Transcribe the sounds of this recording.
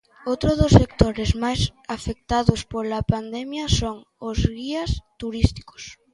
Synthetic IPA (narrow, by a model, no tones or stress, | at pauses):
owt̪ɾoðosːekt̪oɾezmajsafek̚t̪aðospolapand̪ɛmjɐsoŋozɣiɐst̪uɾist̪i̥ko̥s